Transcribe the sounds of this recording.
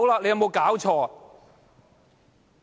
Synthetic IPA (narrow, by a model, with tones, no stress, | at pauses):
wlaː˧˨le˧jɐ˨˧wmo˨˧wkaː˨˥wt͡ʃʰɔː˧˩